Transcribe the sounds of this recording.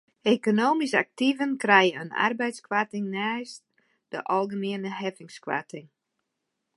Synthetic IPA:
ʔekonoːmisa̰k̚tivənkrɛjəə̰na̰rbɛjtskwatɪŋnaːjst | d̥ə̰ʔɔlˠɣəmiənəɦɛvɪŋskwa̰tɪŋ

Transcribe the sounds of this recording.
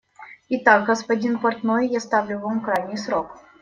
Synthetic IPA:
ɪt̪aɡɡəspɐdʲinpɐrt̪nojːast̪avlʲʊvamkɾajnʲɪjsɾok

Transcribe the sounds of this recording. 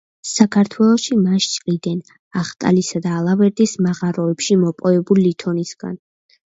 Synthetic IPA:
sakʰaɾt̪ʰwɛlˠɔʃimaʃt͡ʃʼqʼid̪ɛn | aχt̪ʼa̰lisad̪aːlˠavɛɾd̪ismaʁaɾɔɛpʃimɔpʼɔɛbulilit̪ʰɔnisɡa̰n

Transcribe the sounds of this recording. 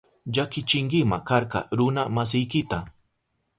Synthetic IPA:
ʎakɪt͡ʃɪŋkɪmakaɾkɑ̰ɾʊnamas̬ɪjkɪt̪a

